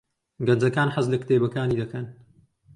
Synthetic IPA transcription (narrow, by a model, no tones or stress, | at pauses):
ɡɐnd͡zɐkaːnħɐzlɨkt̪eːbɐkaːniːd̪ɐkɐn